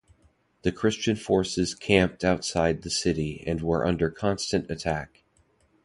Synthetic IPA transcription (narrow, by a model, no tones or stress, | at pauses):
ðɨkʰɹ̥ɪst͡ʃɨ̃nfɔɹsɨz̥kʰæ̃mp̚taʊtsaɪd̪̚ðɨsɪɾiɨ̰̃nwə˞ʔʌ̰̃ndə˞kʰɑ̃nstɨ̃ntɨtʰæk